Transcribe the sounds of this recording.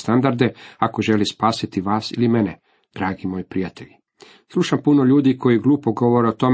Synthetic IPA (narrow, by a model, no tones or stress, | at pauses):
st̪and̪aɾd̪e̞ako̞ʒe̞lispaːsit̪iʋaːsḭlimene | d̪̥ɾaːɡimo̞ːjpɾijat̪eʎi | slˠuʃampuno̞ʎuːd̪ikʰo̞jiɡluːpoɡo̞ʋo̞ɾeot̪o̞m